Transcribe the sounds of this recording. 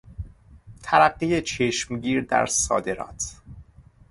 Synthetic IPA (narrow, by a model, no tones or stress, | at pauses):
t̪ʰæɾæɢːijet͡ʃʰeʃmɟiːɾd̪æ̰ɾsɒ̰ːd̪e̞ɾɒ̰ːt̪ʰ